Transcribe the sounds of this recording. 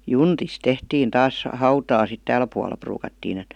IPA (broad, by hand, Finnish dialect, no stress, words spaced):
juntis tehtiːn tɑːs hɑutɑː sit tæːl puɑlˑɑ pruːkɑtːiːn et